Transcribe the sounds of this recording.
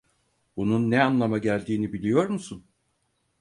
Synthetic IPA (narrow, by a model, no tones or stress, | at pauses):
bununːɛanlˠamaɟælʲd̪iːnibilʲijo̞ɾmusun